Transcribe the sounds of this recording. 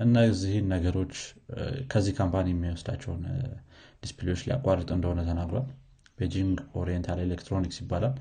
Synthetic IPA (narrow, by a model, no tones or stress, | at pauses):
ʔɨnːazihnːəɡəɾo̞t͡ʃːkʰəzːihkʰampʰanijɛmːiwɔsd̪at͡ʃːɛwn | d̪̥isplejo̞t͡ʃːlija̰kʼːarːət̪ʼɨnd̪əhonət̪ʰənaɡɾoal | b̥ed͡ʒiŋɡo̞ɾijɛnt̪ʰaljelekt̪ʰɾo̞nikʼsibːalal